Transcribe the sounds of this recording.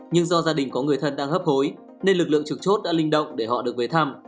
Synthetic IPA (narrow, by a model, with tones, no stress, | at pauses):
ɲɨ˧ŋzɔ˧zaː˧ɗï˨˩ŋ̟kɔ˨˦ŋɨ˨˩əjt̪ʰə˧nɗaː˧ŋhəː˦˥p̚ho˨˦j | ne˧nlɨ˨˩k̚lɨ̰˧˨əŋt͡ɕɨ˨˩k̚t͡ɕo˦˥t̚ɗa̰ː˧˥lï˧ŋ̟ɗə̰˧˨wŋ͡mɗe˧˩ɦɔ̰˧˨ɗɨ˨˩ək̚ve˨˦t̪ʰaː˧m